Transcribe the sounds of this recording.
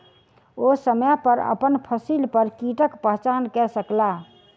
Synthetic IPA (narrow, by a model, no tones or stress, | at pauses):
osəməpəɾə̰pənpʰəsilpəɾkiʈəkpəɦt͡ʃankɛsəkla